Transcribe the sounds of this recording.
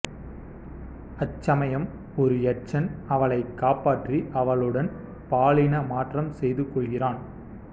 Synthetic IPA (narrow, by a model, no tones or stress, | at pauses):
ɐt͡ʃːɐmɐjɐm | ɔɾɯɛʈt͡ʃːɐnɐʋɐɭɐɪkːaːpaːʈriʔɐʋɐɭɯɽɐn | paːɭɪnɐmaːʈrɐmsɛjðɯkːɔɭɣɪraːn